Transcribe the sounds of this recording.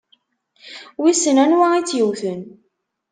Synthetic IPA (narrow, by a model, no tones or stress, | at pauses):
wisənænwæit͡sːjəwθən